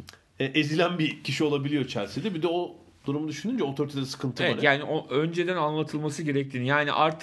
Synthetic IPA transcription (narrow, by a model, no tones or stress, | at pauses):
ɛʔezilʲænbicʰiʃio̞lˠabilʲijot͡ʃʰæɾsid̪ɛbid̪ɛo | d̪̥uɾumud̪yʃynynd͡ʒɛot̪ʰoɾit̪ʰeeɛsɯ̥kʰɯnt̪ʰɯeɛɛaɾjaːniʔoʔø̞nd͡ʒe̞d̪ænanlˠat̪ʰɯlˠmasɯɟe̞ɾɛc̚t̪ʰiːnijaːnḭʔaɾt̪ʰɯ̥